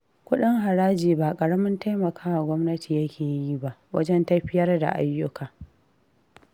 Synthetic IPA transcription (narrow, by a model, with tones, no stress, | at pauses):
kʷʊ˦ɗɪ˦ŋɦa˨ɾaː˦d͡ʒiː˨ba˦˨kʼɐ˨ɽɐ˦mɪ˦nta˦jmɐ˨kʰaː˦wa˨ɡʷɔ˦mnɐ˦tʰiː˨jɐ˦kʲeː˨ji˦ba˦ʔwɐ̰˦d͡ʒɛ˦ntɐ˦ɸɪ˦jɐ˦rda̰˨ʔa˦jːʊ˦kʰaː˨